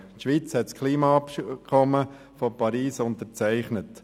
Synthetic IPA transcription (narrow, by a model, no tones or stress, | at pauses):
tʃʋiːt͡shɛtskʰliːmɑɑpkʰɔmə | fɔpɑɾiːsʊntəɾt͡sæɪχnət